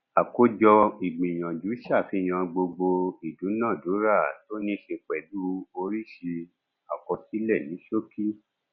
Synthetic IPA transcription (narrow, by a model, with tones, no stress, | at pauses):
a˨ko˧d͡ʒɔ˧i˨ɡ͡bĩ˨j̃ã˨d͡ʒu˨˦ʃa˦˨fi˧˦˨j̃ã˨ɡ͡bo˧ɡ͡bo˧i˨du˨˦nã˦˨do˨˦ɾa˦˨to˦nĩ˦ʃe˧k͡pɛ˨du˦o˧ɾi˦ʃe˧ | a˨kɔ˧si˦lɛ˦˨nĩ˨˦ʃo˦ki˦